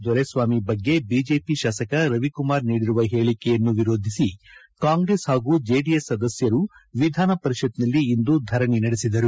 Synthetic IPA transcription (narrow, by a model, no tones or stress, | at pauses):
d̪ʋɐɾesʋaːmibɐɡːe̞biːd͡ʒe̞ːpiʃaːsɐkɐɾɐʋikumaːɾniːɽiɾuʋɐɦe̞ːɭikɛjɐnːuʋiɾo̞ːd̪ʱisi | kaːŋɡɾeshaːɡuːd͡ʒeːɖijesːɐd̪ɐsjɐɾuʋid̪ʱaːnɐpɐɾiʃɐd̪nɐlːiːnd̪ud̪ʱɐɾɐɳinɐɽesid̪ɐɾu